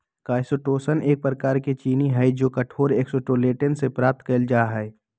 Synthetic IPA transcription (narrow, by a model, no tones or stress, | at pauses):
kaːsoʈoːsəneːk̚pɾəkaːɾket͡ʃiːniɦɛd͡ʒoːkɐʈʰoːɾeːksoʈoːleːʈənsepɾaːp̚t̪kɐld͡ʒaːɦɛː